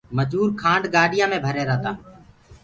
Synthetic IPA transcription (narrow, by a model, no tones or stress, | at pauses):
məd͡ʒuːɾkʰãːɳɖɡaːɖʱɪjãːmẽːbʱəɾeːɾaːt̪ãː